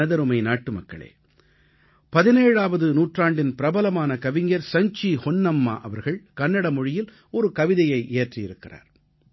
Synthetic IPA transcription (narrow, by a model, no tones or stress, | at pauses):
ɐðɐɾɯmɐɪnaːʈːɯmɐkːɐ̰ɭḛː | pɐðɪneːɻaːʋɐðɯnuːʈraːɳɖɪnpɪɾɐbɐlɐmaːnɐkɐʋɪɲjɐɾsɐɲt͡ʃihɔnːɐmːa̰ːʔɐ̰ʋɐɾɣɐɭkɐnːɐɽɐmɔɻɪjɪl | ɔɾɯkɐʋɪðɐjɐɪʔeːʈrɪjɪɾɯkːɪra̰ːɾ